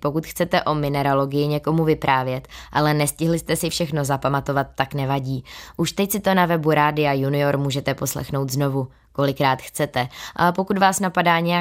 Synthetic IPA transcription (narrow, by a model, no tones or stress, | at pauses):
po̞kut̪xt͡sɛt̪ɛʔo̞mɪnɛɾalo̞ɡɪjɪɲɛko̞muvɪpɾʔaːvjɛt̪ʔalɛnɛscɪɦlɪst̪ɛsɪfʃɛxno̞zapamat̪o̞vat̪ːaknɛvaɟiːʔuʃt̪ɛcsɪt̪o̞navɛbuɾaːdɪajunɪo̞ɾmuːʒɛt̪ɛpo̞slɛ̰xno̞wt̪zno̞vu | ko̞lɪkɾaːt̪xt͡sɛt̪ɛʔapo̞kut̪vaːsnapadaːɲɛja